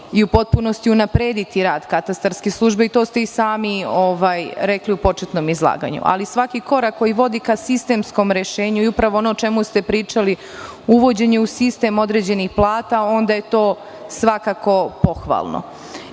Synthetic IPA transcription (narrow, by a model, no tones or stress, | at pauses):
iupo̞t̪̚puno̞st̪iunapɾeːd̪it̪iɾaːd̪kat̪ast̪aɾskeslˠuːʒbe̞it̪o̞ːst̪eisaːmioʋaːjɾekliupo̞t͡ʃet̪no̞mizlˠa̰ːɡa̰ɲṵʔa̰lisʋakiko̞ɾakːo̞jiʋo̞d̪ikasist̪e̞msko̞mɾe̞ʃe̞ːɲuiupɾaʋoonot͡ʃe̞must̪e̞pɾiːt͡ʃali | uʋo̞d͡ʑe̞ɲeusist̪e̞mo̞d̪ɾe̞d͡ʑe̞nixplˠaːt̪ao̞nd̪aje̞t̪o̞ː | sʋakako̞po̞xʋa̰ːlˠno̰